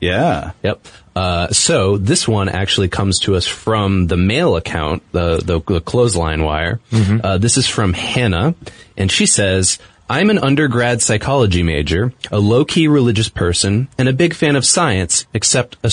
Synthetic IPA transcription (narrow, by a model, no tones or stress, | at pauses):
jæjɛp̚ | soʊðɪswʌ̃nʔæ̰k̚t͡ʃʉl̩ˠikʰʌ̃mz̥tʰɨʌsfɹʌ̃mðəmeɪlˠəkʰã̰ʊ̃nðəðəðəkʰl̥oʊzlã̰ɪ̃nwa̰ɪə̰˞ðɪsɨz̥fɹʌ̃mhɛnəʔɨ̃nʃisɛz | ʔãɪ̃mɨ̃nʌ̃ndə˞ɡɹæd̥saɪkʰɑlˠəd͡ʒimeɪd͡ʒə˞əloʊkʰiɹɨlɪd͡ʒɨspʰɜ˞sɨ̃nɨ̃ñɨbɪɡfæ̃ñʌv̥saɪɨ̃nsɨksɛp̚tɨ